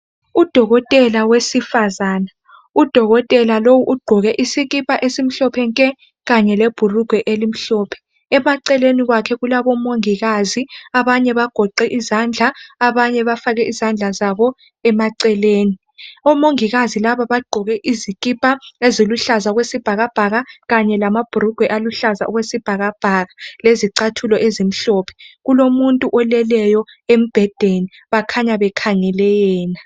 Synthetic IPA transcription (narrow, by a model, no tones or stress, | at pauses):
ud̥ʱɔɣɔtʼɛlawesifazaːna | ud̥ʱɔɣɔtʼɛlalowuʔuɡ͡ǃʱɔɣɛʔisiɣipʼaʔesim̩ɬɔpʰɛŋkʼɛ | ɣaɲɛleb̥ʱuruɡ̥ʱwɛʔelim̩ɬɔːpʰɛ̥ | ɛmaǀɛleniɣwakʰɛɣulaβɔmoŋiɣaziaβaɲɛβaɡ̥ʱɔǃɛʔizand͡ɮʱaːβaɲɛβafaɣɛʔizand͡ɮʱazaβɔ | ɛmaǀɛleːni | ɔmoŋiɣazilaβaβaɡ͡ǃʱɔɣɛʔizikʼipʼaeziluɬazaɣwesib̥ʱaɣab̥ʱaɣaɣaɲɛlamab̥ʱuɾuɡ̥ʱwɛʔaluɬaza̰ʔɔɣwesib̥ʱaɣab̥ʱaɣaleziǀatʰulɔʔezim̩ɬɔːpʰɛ̥ɣulomuntʼuʔɔlɛlɛjɔem̩b̥ʱɛd̥ʱeni | βakʰaɲaβɛkʰaŋɛlɛjɛːna